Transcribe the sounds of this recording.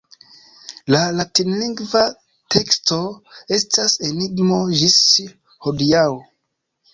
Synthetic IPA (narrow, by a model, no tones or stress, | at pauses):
lalatinliŋɡva | tʰe̞ksto̞e̞stase̞niɡmo̞ʒis | hodiawo